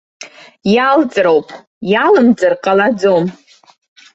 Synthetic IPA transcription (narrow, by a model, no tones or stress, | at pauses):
jalt͡sʼɾowpʼ | jalɨmd͡zʼɨrqʼalad͡zom